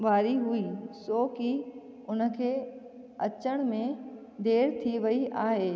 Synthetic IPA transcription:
ʋaːɾiɦuiːsoːki | ʊn̆kʰeː | ɐt͡ʃəɽ̃mẽ | d̪eːɾt̪ʰiʋɐiʔaːɦeː

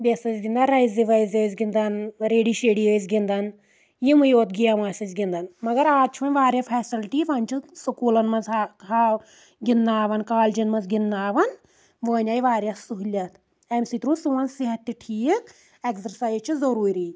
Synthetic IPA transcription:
bʲesɐzɡind̪anɾɐjzdiʋajzəːzɡind̪ɐnɾeːɖiːʃeːɽiəːzɡind̪ɐn | jimɨjoːt̪ɡijaʋaːsɐzɡʲind̪ɐnmɐɡɐɾaːd̪̚t͡ʃʰiʋɐnʲʋaːɾjafʰɛːsilʈiʋɐnʲt͡ʃʰisukuːlɐnmɐnzɦa | ɡʲinːaːʋɐnkaːld͡ʒɐnmɐnzɡinːaːʋɐn | ʋəːnʲaːjʋaːɾʲjasuɦilʲɐt̪ʰ | emsit̪ɾũːsuʋɐnsiɦɐt̪ʲːiʈʰiːk | eksɐɾsaːjzt͡ʃʰizɐɾuːɾiː

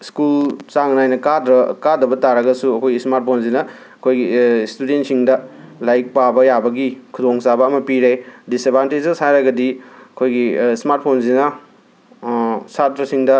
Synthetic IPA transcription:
skult͡ʃaŋnajnɐkadɾɐkadɐbɐtaɾɐɡɐsuɐkʰojɡismaɾt̚pʰonzinɐ | ɐkʰojɡistudent̚siŋdɐ | lajk̚pabɐjabɐɡikʰudoŋsabɐːmɐpiɾajdisebʱanted͡ʒeshajɾaɡɐdiɐkʰojɡismaɾt̚pʰonzinɐ | satɾɐsiŋdɐ

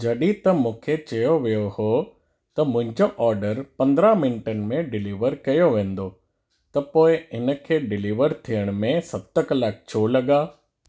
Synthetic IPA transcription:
d͡ʑɐɗit̪ɐmũːkʰet͡ɕɐjoʋijoho | t̪ɐmʊ̃ɦɪ̃ɲd͡ʑoʔɔːɾɖəɾpɐ̃nd̪ɾãmɪnʈənɪ̆mẽɖɪliːʋəɾkɐjoʋẽːn̆d̪o | t̪ɐpoːɪɪnə̆kʰeːɖɪliːʋəɾt̪ʰijəɽ̃̆mẽsɐb̚t̪əkɐlaːk̚ʰt͡ɕʰoːlɐɠaː

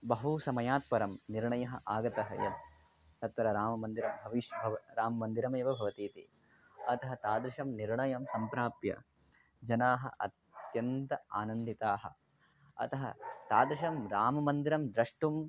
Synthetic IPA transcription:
bɐɦusɐmɐjaːt̪̚pɐɾɐmniɾɳɐjɐɦɐ̰̆ʔaːɡɐt̪ɐɦɐ̰jɐ̰t̪̚ | t̪ɐt̪ʋɐɾɐɾaːmɐmɐnd̪iɾɐmbʱɐʋiʃɐbʱɐʋɐɾaːmɐmɐnd̪iɾɐmeːʋɐbʱɐʋɐt̪iːt̪ḭ | ɐt̪ɐɦɐt̪aːd̪ɾiʃɐmniɾɳɐjɐmsɐmpɾaːpjɐ̰ | d͡ʒɐnaːɦɐ̰ʔɐ̰t̪jɐnt̪ɐa̰ːnɐnd̪it̪aːɦɐ̰ | ɐ̰t̪ɐɦɐ̰t̪aːd̪ɾiʃɐmɾaːmɐmɐnd̪iɾɐmd̪ɾɐʂʈum

